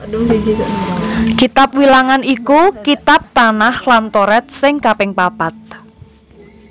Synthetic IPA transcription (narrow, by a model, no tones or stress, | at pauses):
kit̪ap̚wilaŋanikukit̪ap̚t̪anahlant̪ɔɾɛt̪̚sɪŋkapɪŋpapat̪̚